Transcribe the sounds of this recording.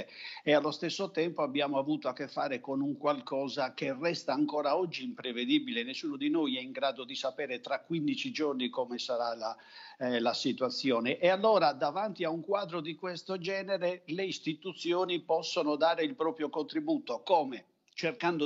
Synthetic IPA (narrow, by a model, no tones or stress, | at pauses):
ealːost̪esːot̪ɛmpoabːjaːmoavuːt̪oakːefːa̰ːɾekonuŋkwalkʰɔːzakerɛst̪aːŋkɔːɾaɔd͡ʒːiːmpɾeved̪ibilenesːuːnod̪inojɛiŋɡɾaːd̪od̪isapɛːɾet̪ɾakːwind̪it͡ʃid͡ʒornikomesaɾala | lasit̪wat̪sːjɔːneʔːalːoːɾad̪avant̪iauŋkwaːd̪ɾod̪ikwest̪od͡ʒɛːneɾeleist̪it̪ut̪sjoːnipɔsːonod̪aːɾeilpɾɔːpɾjokont̪ɾibuːt̪okoːme | t͡ʃerkand̪o